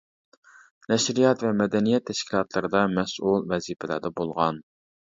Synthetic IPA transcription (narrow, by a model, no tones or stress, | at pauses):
nɛʃɾijɑt̪vɛmɛd̪ɛnijɛt̪ʰːɛʃkʲʰilˠɑt̪ʰlˠɨɾɨd̪ɑmɛsulˠvɛzipʰɪlæ̰ɾd̪ɛbolˠʁɑn